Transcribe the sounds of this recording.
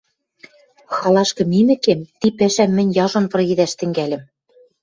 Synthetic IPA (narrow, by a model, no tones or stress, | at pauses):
xɑlˠɑʃkɤ̆mimɘ̆kemt̪ipæʃæmːɘ̆nʲjɑʒŏnpɤ̆rɣid̪æʃt̪ɘ̆ŋɡælʲɘ̆m